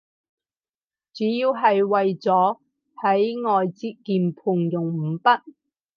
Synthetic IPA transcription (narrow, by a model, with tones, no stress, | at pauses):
t͡syː˨˥jiː˧wɦɐ˨jwɐ˨jt͡sɔː˨˥ | hɐ˨˥jŋɔː˨jt͡siː˧t̚kiː˨˧npʰuː˨˩ŋjʊ˨ŋm̩˨˩pɐ˥t̚